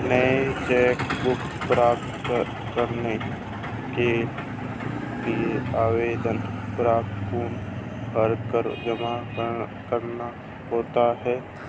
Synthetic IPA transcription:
nəet͡ʃɛːkbʊk | pɾaːp̚t̪ | kəɾne | ke | lieaːweːd̪ənpɾaːp̚t̪kuːnɦəɾkəɾd͡ʒəmakəɾkəɾna | ɦoːt̪aɦɛː

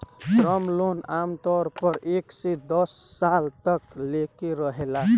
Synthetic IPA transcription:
ɾɔmlonamt̪ɔɾpəɾeksed̪əsːalt̪əklekeɾəɦela

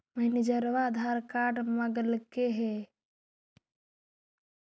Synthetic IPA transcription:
məɦnid͡ʒəɾʋaːd̪ʱaːɾkaːɖmɐɡəlkeɦe

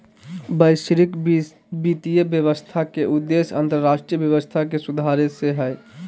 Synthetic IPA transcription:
bəɪʃɾik | bit̪ijəbjəʋəst̪ʰakeʔʊd̪ːesə̰̃nt̪əɾɾaːʃʈɾijəbjəʋəst̪ʰakesud̪ʱaɾeseɦɛ

